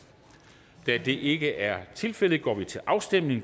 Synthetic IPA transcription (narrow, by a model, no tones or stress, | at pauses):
d̥æd̥e̝ʔe̝ɡ̥əʔæɐt͡sʰe̝lfel̰ð̩ˠɡ̥ɒ̰ːʋit͡sʰe̝lʔɑ̈ʊsd̥em̰ne̝ŋ